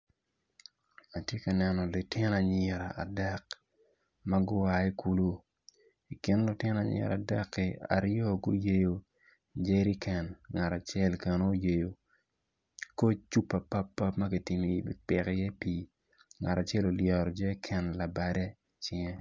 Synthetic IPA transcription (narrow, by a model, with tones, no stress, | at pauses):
a˨tje˦kɐ˨nɛ˨nɔ˨lʊ˨tɪ˦na˨ɲɪ˨ɾa˨a̰˨dɛ˦k | mɐ˦ɡʊ˦wa˨i˦ku˦lu˦ | i˨kɪ˦nlʊ˨tɪ˦na˨ɲɪ̰˨ɾa̰˨da˦kːi˨a̰˨ɾjɔ˦ɡʊ̰˦je˨jo˨ | d͡ʒe˦ɾi˦kʰɛ˨nŋa˨ɾa˨t͡ʃjɛ˦lkɛ˨no˦je˨jo˨ | ko˦t͡ʃu˦pːa˨pa˦pːa˦pmɐ˦ki˨ti˨mi˨bḭ˦pɪ˨kɪ˦jɛ˦pi˨ | ŋa˨ɾa˨t͡ʃɛ˦lo˨ljɛ˨ɾɔ˨d͡ʒe˦kʰɛ˨nla˨ba˨dɛ˦ | t͡ʃɪ˦ɛ˦